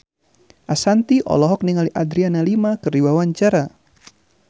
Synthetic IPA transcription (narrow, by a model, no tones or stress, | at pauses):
ʔasant̪iʔɔ̰lɔɦɔk̚niŋaliʔad̪ɾianalimakɨriwawaɲt͡ʃaɾa